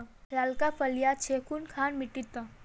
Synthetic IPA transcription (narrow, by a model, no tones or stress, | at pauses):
laːlkafəljat͡ʃʰekunkʰaːnmiʈit̪ə